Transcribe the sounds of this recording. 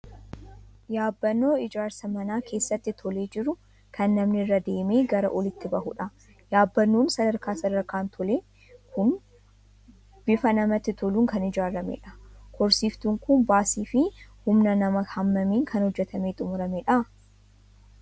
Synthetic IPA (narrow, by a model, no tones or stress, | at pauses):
jaːbːɐnːo̞ːɪd͡ʒaːɾsɐmɐnaːkʰe̞ːsːɐt̪ːɪt̪ʰɔle̞ːd͡ʒɪɾʊ | kʰɐnːɐmnɪrːɐd̪e̞ːme̞ːɡɐɾɐ̰ʔɔlɪt̪ːɪbɐhʊᶑɐ | jaːbːɐnːoːnsɐd̪ɐɾkaːsɐd̪ɐɾkaːnt̪ʰɔleː | kʰʊn | b̥ɪfɐnɐmɐt̪ːɪt̪ʰɔluːŋkɐnɪd͡ʒaːɾɐmḛᶑɐkʰɔɾsiːft̪uŋkʊnbaːsiːfɪhʊmnɐnɐmɐhɐmːɐmeːŋkʰɐnhɔd͡ʒːɛt̪ʰɐme̞ːt̪ʼʊmʊɾɐmeᶑɐ